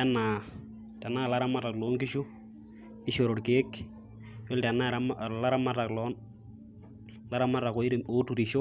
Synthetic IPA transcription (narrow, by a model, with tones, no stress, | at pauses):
ɛ˦na˨ | tɛ˨naː˦˨la˦ɾa˦ma˦ta˨klo˦ŋkɪ˦ʃu˦ | ɪ˦ʃo˨ɾo˨ɽkeː˦k | jo˦ltɛ˨na˦ɾamla˦ɾa˦ma˦ta˨klɔ˦n | la˦ɾa˦ma˦ta˨ko˨˦ɪ˦ɾmo˨˦tu˨ɾi˨ʃo˦